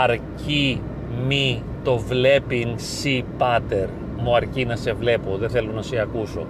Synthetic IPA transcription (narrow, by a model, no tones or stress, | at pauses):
ɐɾci | mi | t̪o̞vle̞pinsipɐt̪e̞ɾ | muɐɾcinɐse̞vle̞poðeθe̞lonɐseɐkuso̞̰